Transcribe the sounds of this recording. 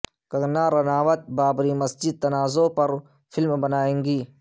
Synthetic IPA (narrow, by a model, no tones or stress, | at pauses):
kɐɡnaːɾɐnaːʋət̪̚baːbɾimɐsd͡ʒɪd̪̚t̪ɐnaːzopɐɾ | fʰɪlmbɐnaːẽːŋɡiː